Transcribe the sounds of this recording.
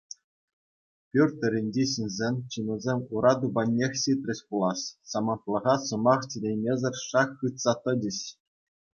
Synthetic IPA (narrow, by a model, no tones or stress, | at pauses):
pʲyrʲt̪ʲɘ̆ɾʲinʲd͡ʑeɕɯnʲzʲenʲt͡ɕɯnɤ̆zʲemʲuɾɑd̪ubɑnʲːexʲɕit̪ʲrʲɘ̆ɕʲpulˠɑɕsɑmɤ̆nt̪lˠɤ̆ʁɑsɤ̆mɑχt͡ɕʲilʲemʲezʲɘ̆rʲʂɑχːɯt̪sɑt̪ɤ̆d͡ʑɘ̆ɕ